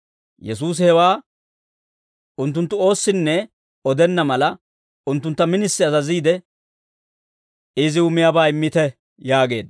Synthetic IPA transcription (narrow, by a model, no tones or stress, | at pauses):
jɛsuːs̬ɪhɛwaː | ʊnt̪ːʊnt̪ːʊo̞ːsːɪnːɛ | ɔd̪ɛnːɐmɐlɐ | ʊnt̪ːʊnt̪ːɐmɪnɪsːɪɐzɐziːd̪ɛ | ɪzɪʊmːɪjabaːɪmːɪt̪ɛ | jaːɡe̞ːd̪